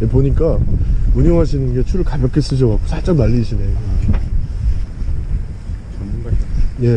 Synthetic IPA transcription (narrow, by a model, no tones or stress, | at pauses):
jepoɲik͈auɲʌŋɦaɕʰinɯnɡe̞t͡ɕʰuɾɯɭkabjʌk͈es͈ɯɕ̬ʰʌkak͈ʰo̥sʰat͡ɕ͈aŋnaʎːiɕʰine̞jo | je̞